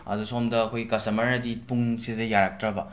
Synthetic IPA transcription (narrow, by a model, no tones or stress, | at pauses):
ɐ̰dusomdɐːkʰojɡikɐstɐmɐɾɐdipuŋsidɐjaɾak̚tɾɐbɐ